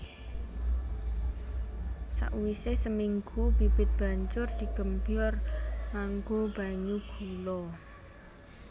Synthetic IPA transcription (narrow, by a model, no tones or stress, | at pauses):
sa̰ʔwisesəmiŋɡub̥i̤b̥ɪ̤t̪̚b̥a̤ɲt͡ʃʊrd̪̥i̤ɡ̥əmbjɔrmaŋɡob̥aɲub̥ulɔ